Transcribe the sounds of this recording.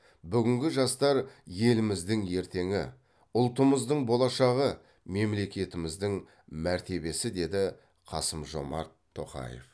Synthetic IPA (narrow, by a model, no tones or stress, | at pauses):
bʏɡʲɪŋɡʲɪʒɑst̪ɑɾje̞lɪmɪzd̪ɪŋe̞ɾt̪e̞ŋɪ | ʊlˠt̪əməzd̪əɴbo̞lˠɑʃɑʁə | me̞mle̞kʲe̞t̪ɪmɪzd̪ɪŋ | mæɾt̪e̞be̞sɪd̪e̞d̪ɪ | qʰɑsəmʒo̞̰mɑ̰ɾt̪ʰːo̞̰qɑ̰jḛf